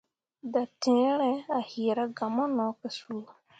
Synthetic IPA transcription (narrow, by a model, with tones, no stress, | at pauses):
da˨tɪ̃˨˦ɾɛ˦a˨hi˨ɾa˦ɡa˨mɔ˦nɔ˨˦kɪ˨su˦˨